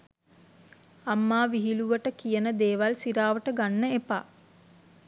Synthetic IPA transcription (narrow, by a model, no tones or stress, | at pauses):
amːaːʋiɦiluʋəʈəkijənəd̪eːʋalsiɾaːʋəʈəɡanːəepa̰ː